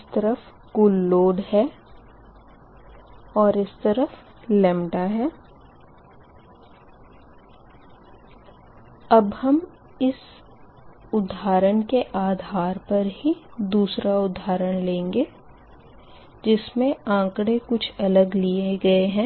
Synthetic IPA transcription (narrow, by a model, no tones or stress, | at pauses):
st̪ɐɾəf | kʊlːoːɖhɛ | ɔːɾɪst̪ɐɾəf | lɛːmʈaɦɛː | ɐbhɐm | ɪs | ʊd̪ʱɦaːɾəɽkeʔaːd̪ʱaːɾpɐɾɦid̪uːsɾaʊd̪ʱːaːɾəɽ̃lẽːŋɡeː | d͡ʒɪsmẽãːkɽekʊt͡ʃʰɐləɡlieɡɐeɦɛ̃ː